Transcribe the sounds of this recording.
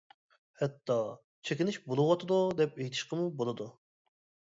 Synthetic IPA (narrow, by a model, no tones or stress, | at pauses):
hɛt̪ʰːɑ | t͡ʃʰekʲinɪʃbolˠɨwɑt̪ʰɨd̪ud̪ɛpejt̪ʰɪ̥ʃqəmubolˠɨd̪u